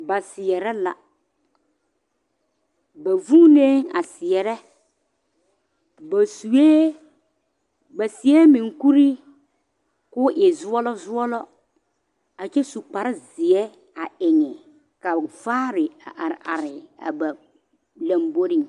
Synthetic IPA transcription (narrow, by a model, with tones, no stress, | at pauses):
ba˨sɪ˨ɛ˨ɾɛ˦la̰˨ | ba˨vu˦ne˦ŋa̰˨sɪ˨ɛ˨ɾɛ˦ | ba˨su˨eː˦ | ba˨sɪ˨ɛ˦mɪ̃˨ŋ˨ku˦ɾi˦ | kʊ˦ʔɪ˨zʊ˦ɔ˦lɔ˦zʊ˦ɔ˦lɔ˦ | a˨t͡ʃɛ˦su˨k͡pa˨ɾɪ˦zɪ˨ɛ˦ | a˨ɪ˨ŋɪ˨ | ka˨vaː˦ɾɪ˨a˨ʔa˨ɾa̰˨ɾɪ˨a̰˨ba˨ | lã˨mbo˦ɾi˦ŋ